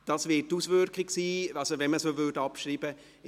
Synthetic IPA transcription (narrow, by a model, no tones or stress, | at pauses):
d̥ɑːsvɪttuːsvøɾkʰɪksiːɑsovɛnməsoːvødɑpʃɾiːbə